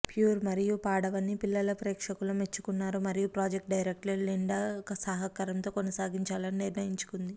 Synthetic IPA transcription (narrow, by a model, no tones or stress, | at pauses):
pjuːɾmɐɾijupaːɽɐʋɐnːipilːɐlɐpɾeːkʂɐkulɐme̞t͡ʃːu̥kunːaːɾumɐɾijupɾaːd͡ʒek̚ʈ̚ɖɐjɾek̚ʈleliɳɖɐkɐsaːɦɐkɐɾɐmt̪o̞ːkonɐsaːɡiɲt͡ʃaːlɐniniɾnɐjiɲt͡ʃu̥kund̪i